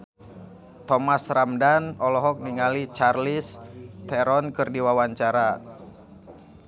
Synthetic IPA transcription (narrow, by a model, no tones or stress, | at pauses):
t̪ɔmasramdanɔlɔɦɔk̚niŋalit͡ʃarlist̪ɛɾɔnkɨrdiwawaɲt͡ʃaɾa